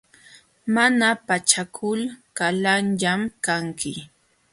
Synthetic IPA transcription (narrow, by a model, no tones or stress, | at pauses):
manapat͡ʃakʰʊlkalanʎamkaŋkʰɪ